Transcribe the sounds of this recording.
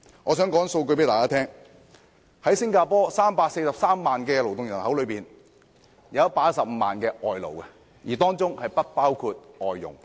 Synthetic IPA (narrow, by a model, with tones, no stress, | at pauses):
ŋɔː˨˧s̬œ˨˥ŋkɔː˨˥ŋso˧wk̬ɵ˧pe˨˥t̪aː˨kaː˥t̪ʰɛː˥ŋ | hɐ˨˥jsɪ˥ŋkaː˧pɔː˥saː˥mpaː˧k̚se˧jsɐ˨p̚saː˥mːaː˨nkɛː˧lo˨˩wt̪ʊ˨ŋjɐ˨˩nhɐ˨˥wlɵ˨˧piː˨n | jɐ˨˧ɐ˦˥paː˧ɐ˥tsɐ˨p̚m̩˨˧maː˨˩nkɛː˧ʔɔː˨jlo̰˨˩wɛ˧ | jiː˨˩t̪ɔː˥ŋt͡sʊ˥ŋhɐ˨jpɐ˥t̚paː˥wkʰuː˧t̚ʔɔː˨jːʊ̰˨˩ŋ